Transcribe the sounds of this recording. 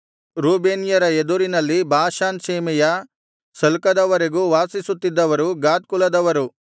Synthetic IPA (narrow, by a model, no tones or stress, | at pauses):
ɾuːbeːnjɐɾɐed̪uɾinɐlːibʱaːʃaːnʃeːmɛjɐ | sɐlkɐd̪ɐʋɐɾeɡuːʋaːsisut̪ːid̪ːɐʋɐɾuɡaːt̪̚kulɐd̪ɐʋɐɾu